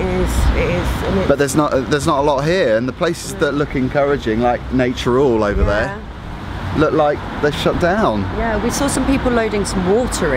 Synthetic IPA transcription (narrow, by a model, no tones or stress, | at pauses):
ɪz̥ɪɪz̥ə̃b̥ʌʔ̪ðəznəʔðəznətəlɒʔɦiəɹə̃nðəpʰl̥eɪsɪzðəʔlʊkɛ̃nkʰʌɹɪd͡ʒɪ̃ŋlaɪk̚neɪt͡ʃəɹɔːləʊvəðə | lʊklaɪk̚ðəʃʌt̚d̥ãʊ̃njæwisɔːsʌ̃mpiˑpl̩ˠləʊɾɪ̃ŋsə̃mwɔˑtʰəɹɪ